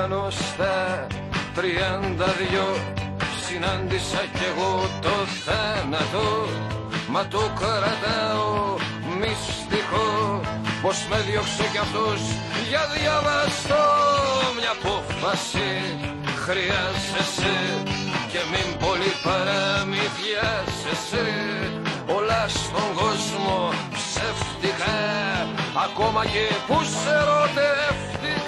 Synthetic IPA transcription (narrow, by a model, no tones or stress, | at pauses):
nost̪ɐ | t̪ɾiɐnd̪ɐðʝosinɐnd̪isɐce̞ɣot̪oθɐnɐt̪o | mɐt̪okɾɐt̪ɐo | mis | t̪ixo | posmeðjoksecɐft̪os | ʝɐðjɐvɐst̪omɲɐpoffɐsi | xɾiɐzese | ce̞mimbo̞lipɐɾɐmitjɐzese | olɐst̪o̞ŋɡo̞zmo̞ | pseft̪ikɐ | ɐko̞mɐcepuseɾot̪eft̪i